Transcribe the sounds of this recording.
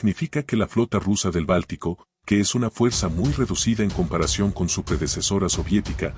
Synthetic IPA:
nifikake̞laflo̞t̪arusaðe̞lβalt̪iko̞ | ke̞e̞sunafwe̞ɾsamujre̞ðusiðaeŋko̞mpaɾasjo̞ŋko̞nsupɾe̞ðe̞se̞so̞ɾaso̞βje̞t̪ika

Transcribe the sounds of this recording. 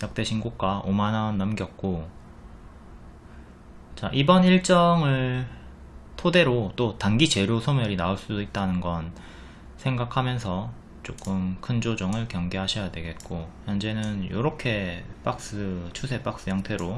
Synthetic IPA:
jak̚t͈e̞ɕʰinɡuk̚k͈waʔomananːʌmɡjʌk̚k͈o | t͡ɕaʔibʌniɭt͡ɕ͈ʌŋɯɭ | tʰode̞ɾot͈otaŋɡit͡ɕe̞ɾjosʰomjʌɾinauɭs͈udoit̚t͈anɯnɡʌn | sʰe̞ŋɡakʰamjʌnsʰʌ | t͡ɕ͈ok͈ɯmkʰɯnd͡ʑod͡ʑʌŋɯɭkjʌŋɡe̞ɦaɕʰʌjadwe̞ɡe̞t̚k͈ojʌnd͡ʑe̞nɯnjo̰ɾʌkʰe̞p͈ak̚s͈ɯt͡ɕʰusʰe̞p͈ak̚s͈ɯjaŋtʰe̞ɾo

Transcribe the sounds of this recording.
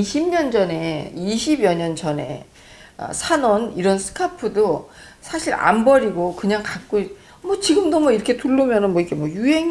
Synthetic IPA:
iɕʰimɲʌnd͡ʑʌne̞iɕʰibjʌɲʌnt͡ɕʌne̞̰ | ʌ̰sʰanʌniɾʌnsʰɯ̥kʰapʰɯdo | sʰaɕʰiɾa̰mbʌɾiɡokɯɲaŋkak̚k͈oi | mʌt͡ɕiɡɯmdomʌiɾʌkʰe̞tuɭːumjʌnɯnmwʌiɡe̞mwʌjuɦe̞ŋ

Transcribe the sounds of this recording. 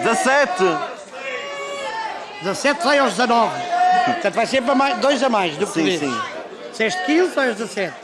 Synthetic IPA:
d̪zɐsɛt̪ɨ | d̪zɐsɛt̪vajawʒd̪zɐnɔvpuɾt̪ɐ̃nt̪vajsẽmpɾɐmajʃd̪ojzɐmajʃd̪upsĩsḭ̃ | seʃt̪kilˠusãɐʒd̪zɐsɛt̪

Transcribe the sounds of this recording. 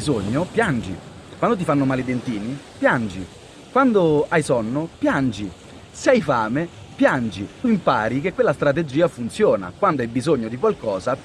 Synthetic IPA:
izoɲːopjand͡ʒḭ | kwand̪ot̪̬ifanːomaːlid̪ent̪iːnipjand͡ʒḭ | kwand̪oajsɔnːopjand͡ʒi | sɛjfaːmepjand͡ʒit̪uimpaːɾik̟ekːwelːast̪ɾat̪̬ed͡ʒːiːafunt̪sjɔːna̰kwand̪oajbizoɲːod̪ik̬walkɔːza

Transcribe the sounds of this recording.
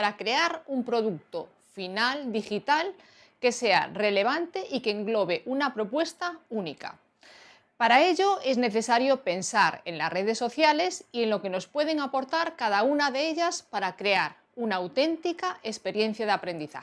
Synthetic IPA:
aɾakɾe̞aɾumpɾo̞ðuk̚t̪o̞ | finald̪ixit̪al | ke̞se̞a̰re̞le̞β̞ant̪e̞ʔikeːŋɡlo̞βe̞ʔunapɾo̞pwe̞st̪aunika̰ | paɾae̞ʎo̞e̞zne̞θe̞saɾjo̞pe̞nsaɾe̞̰nla̰sre̞ð̞e̞sːo̞θjale̞sie̞nlo̞ke̞no̞spwe̞ð̞e̞ŋapo̞ɾt̪aɾkað̞aunaðe̞eʎaspaɾakɾe̞aɾ | unaːwt̪e̞nt̪ikaʔe̞spe̞ɾje̞n̟θjað̞eapɾe̞nd̪iθa̰

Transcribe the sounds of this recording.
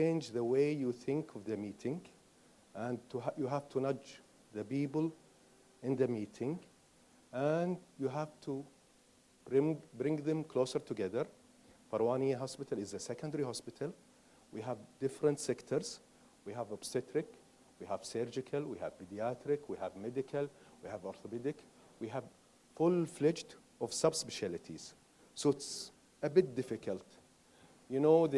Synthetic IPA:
t͡ʃẽːnd͡ʒðəweɪjuθɪ̃ŋkʰɔvðəmiːt̪ʰɪ̃ŋɡ | ʔæ̃ndt̪ujuɦaft̪ʰunʌd͡ʒ | ðəbiːbəl | ʔɪ̃nðəmiːt̪ʰɪ̃ŋɡ | ʔændjuɦæft̪ʰu | b̥ɾɪ̃ŋbɾɪ̃ŋɡðɛ̃mkʰloːsəɾt̪ʊɡɛðəɾ | fɑɾwaːniɦɔspɪt̪alɪzəsɛkə̃ndəɾiɦɔspɪtʰal | wiɦævd̪ɪfɾə̃nt̪sɛkt̪ʰəɾz̥ | wiɦævɔbsɛt̪ɾɪk | wiɦæv̥sɛɾd͡ʒɪkʰalwihæ̰vpid̪iat̪ɾɪkwihævmɛd̪ɪkʰalwihævɔɾθɔbɛd̪ɪk | wiɦæv | fʊlflɛt͡ʃt̪ | ɔv̥sabspɪʃalɪt̪ʰiz̥ | soɪt̪s | əbɪt̚d̪ɪfɪkʰəlt̪ | jʊnoːð

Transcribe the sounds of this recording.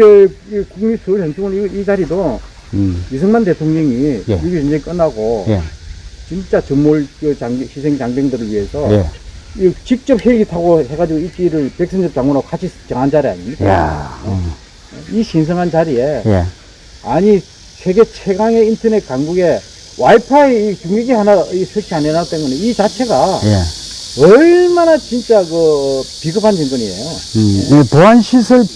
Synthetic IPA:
ekuŋmisʰɯɭɦeŋt͡ɕʰoŋɯniid͡ʑaɾido | is̬ʰɯŋmande̞tʰoŋɲʌŋijjɯɡit͡ɕɯnd͡ʑeik͈ʌnːaɡo | t͡ɕint͡ɕ͈at͡ɕɯŋmoɭkɯt͡ɕaŋɕʰisʰeŋt͡ɕaŋbeŋdɯɾɯɭɥiɦe̞sʰʌit͡ɕik̚t͡ɕ͈ʌp̚heiɡitʰaɡohe̞ɡad͡ʑiɡoik͈iɾɯɭpek̚s͈ʰɯnd͡ʑʌp̚t͡ɕ͈aŋɡwonokat͡ɕʰisʰɯ̥t͡ɕ͈ʌŋɦand͡ʑaɾia̰ɲimɲik͈a̰ | iɕʰins̬ʰɯŋɦant͡ɕaɾie̞̰ | aɲi | sʰeɡet͡ɕʰeɡaŋe̞intʰʌnet̚k͈aŋɡuɡe̞ | waipʰaeikuŋɡeɡihanaisʰɯɭt͡ɕʰianenatwenɡoneit͡ɕat͡ɕʰe̞ɡajeʌɭmanat͡ɕint͡ɕ͈akɯpiɡɯpʰand͡ʑiŋɡɯɲiḛjoepoanɕʰisʰɯɭ

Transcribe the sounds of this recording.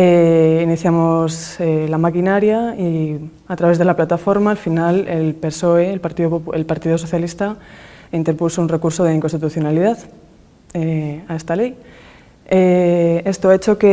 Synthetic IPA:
einiθjamo̞selamakinaɾjai | at̪ɾaβe̞zð̞e̞laplat̪afo̞ɾmaːlfinale̞lpe̞so̞eelpaɾt̪iooelpaɾt̪iðo̞so̞θjalist̪aint̪eɾpusounre̞kuɾso̞ð̞eiŋko̞nst̪it̪uθjo̞naliðað | eae̞st̪ale̞j | ee̞st̪oaet͡ʃo̞ke̞

